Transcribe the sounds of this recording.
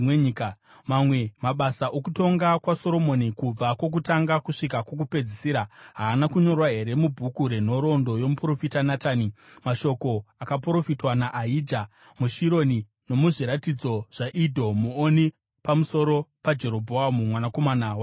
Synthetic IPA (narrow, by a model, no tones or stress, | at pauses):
eika | mamwe̞maɓasaʔokuto̞ŋɡakwaso̞ɾo̞mo̞nikub͡vakwo̞k̬utaŋɡakuʂikakwok̬upe̞d͡zisiɾaɦaːnakuɲo̞rwaɦe̞ɾe̞mubʱukuɾe̞n̤o̞ɾo̞ndo̞jomupro̞fitanataːnimaʃo̞ko̞akap̬ɾo̞fitwanaʔaiːdʱa | muʃiɾo̞ni | no̞muʐiɾatid͡zo̞ʐ̥aʔidʱo̞muoni | pamuso̞ɾo̞pad͡ʒe̞ɾo̞bʱoamumwanako̞manaːwa